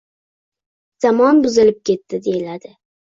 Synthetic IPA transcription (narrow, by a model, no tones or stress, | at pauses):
z̥amɒnbʊzɪlɪp̚kʲʰe̞t̪ːɪd̪e̞jɪlad̪ɪ